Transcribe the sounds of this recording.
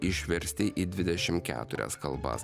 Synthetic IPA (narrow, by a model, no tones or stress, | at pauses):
ʔɪʃʲʋʲɛɾʲsʲt̪ʲɪʔiːd̪ʲʋʲɪd̪ʲɛʃʲɪmkʲæ̰ːt̪ʊɾʲɛ̰skɐlˠbɐ̰s